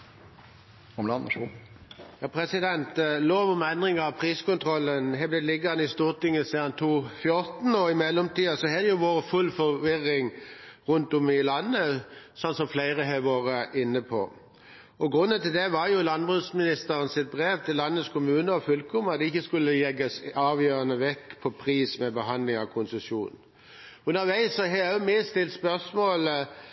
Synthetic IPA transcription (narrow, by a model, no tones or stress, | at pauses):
ɔmlɑn | jɑːpʰʁɛsɪd̪ɛnt̪loːʋɔmɛnd̪ʁɪŋəɑpʰʁiːskʊnt̪ʰʁɔlːənɦɛblɛlɪɡəʁnɪst̪uːʁt̪ɪŋːəsiːd̪ɑnt̪ʰuːfjʊɾt̪n̩ɔɪmɛlːɔmt̪iːɑsɔɦɛd̪ɛjʊʋoːʁəfʉlfɔʋɪʁːɪŋʁʉnt̪ɔmɪlɑnːəsɔnsɔmflæɪʁəɦɛːʋoːʁəʔɪnːəpʰɔ̰ | ɔɡʁʉnːənt̪ɪld̪ɛʋɑɾjʊlɑnbʁʉːsmɪnɪst̪əɾənsɪt̪̚bʁeːʋt̪ʰɪlːɑnːəskʰʊmʉːnəɔfʉlkʊmɑd̪ɛɪçːəskʉlːəjɛɡəsɑːʋjøːʁənəʋɛkːpʰɔpʰʁiːsmɛbəɦɑnd̪lɪŋɑʋkʰʊnsəsuːn̩ | ʉnəɾʋæɪsɔɦɛæjʊmɪst̪ɪlt̪spœʁsmoːl